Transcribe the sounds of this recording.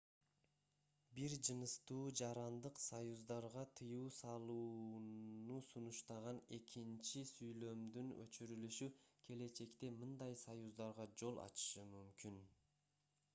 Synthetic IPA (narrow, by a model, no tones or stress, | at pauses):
biɾd͡ʒɯnɯst̪uːd͡ʒɑɾɑnd̪ɯqsajuzd̪ɑɾʁɑt̪ʰɯjuːsɑlˠuːnusunuʃt̪ɑʁɑne̞kʰint͡ʃisyjlø̞md̪ynø̰t͡ʃyɾylyʃykʲʰe̞le̞t͡ʃe̞kt̪e̞mɯnd̪ɑjsajuzd̪ɑɾʁɑd͡ʒo̞lˠʔɑ̰t͡ʃɯ̥ʃɯmymkyn